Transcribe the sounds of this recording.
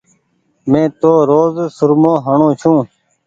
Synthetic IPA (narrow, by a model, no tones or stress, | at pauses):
mẽːt̪oːɾoːzsʊɾmõːɦəɳõːt͡ʃʰũː